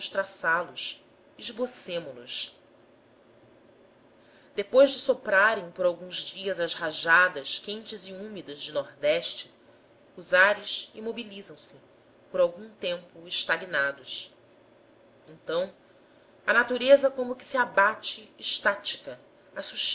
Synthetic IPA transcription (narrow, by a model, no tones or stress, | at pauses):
ʊʃt̪ɾasalʊs | ɪʒbosẽmʊlṵs | d̪̥epojʒd͡ʒɪsopɾaɾẽj̃poɾawɡũzd͡ʒiɐzɐzhaʒad̪ɐʃkẽnt͡ʃɪziumid̪ɐzd͡ʒɪnɔɾd̪ɛʃt͡ʃɪ | ʊzaɾɪʃimobilizɐ̃w̃sɪ | poɾawɡũt̪ẽmpʊɪʃt̪aɡinad̪ʊs | ẽnt̪ɐ̃w̃ | ɐnat̪uɾezɐkõmʊkɪ̥siabat͡ʃɪːʃt̪at͡ʃi̥kɐ | asuʃ